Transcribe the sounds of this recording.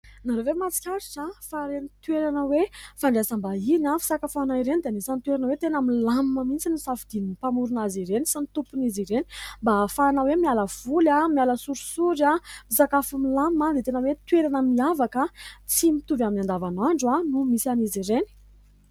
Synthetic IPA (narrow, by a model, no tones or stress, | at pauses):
naɾevemat͡si̥kʲaɾiʈ͡ʂafaɾenit̪weɾanəwefaɳɖ͡ʐesambainafi̥sakafanaiɾenid̪eanisanit̪weɾanəwet̪enamilamməmint͡sinusafid̪̥ininipamuɾunaziɾenisanit̪upuniziɾeni̥mbafanawemialəv̥ulamialəsuɾusuɾamisakafamilammad̪et̪enəwet̪weɾanəmiavakət͡simit̪uvaminand̪avanaɳɖ͡ʐuanumisianiziɾeni̥